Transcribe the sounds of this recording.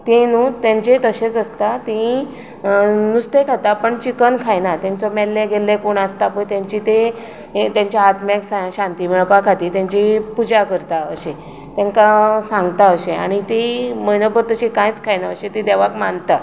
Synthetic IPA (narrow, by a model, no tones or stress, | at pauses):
t̪enut̪ãɲt͡ɕet̪əɕet͡səst̪at̪ĩ | nust̪ekʰat̪apəɳt͡ɕikənkʰajnat̪ãnt͡sɔmɛlːeɡelːekoɳast̪apojt̪jãɲt͡ɕit̪e | t̪jãɲt͡ɕaat̪maksaɕãnt̪imiɭpakʰat̪iːt̪jãɲt͡ɕipud͡ʑakəɾt̪aə̰ɕe | t̪ɛ̃ŋkasãŋɡt̪aəɕẽa̰ɽ̃it̪iməjnəbəɾt̪əɕĩkãjt͡skʰajnaəɕẽt̪ĩd̪ɛʋakmant̪a